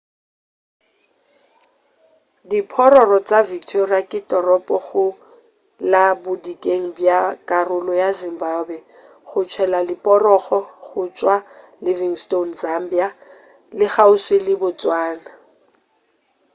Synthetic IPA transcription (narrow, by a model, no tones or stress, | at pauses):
dipʰɔɾɔrɔt͡sʼavik̚tʰoriakʼɪtʼɔrɔpʼɔχʊ | labʊdikʼeŋ̩bjakʼarʊlɔjazɪm̩babwɛ | χʊt͡ʃʰɛlalɪpʼɔrɔχɔχʊt͡ʃʼwa | lɪviŋstonzam̩bija | lɪχaʊswelɪbʊt͡sʼwaːna